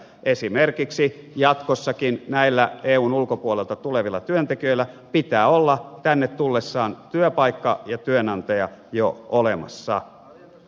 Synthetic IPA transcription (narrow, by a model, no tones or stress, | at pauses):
ʔesimerkiksi | jɑt̪kosːɑkinnæilːæeːuːnulkopuolelt̪ɑt̪uleʋilːɑt̪yønt̪ekiøilːæ | pit̪æːolːɑt̪ænːet̪t̪ulːesːɑːnt̪yøpɑikːɑjɑt̪yønɑnt̪ɑjɑjoolemɑ̰sːɑ̰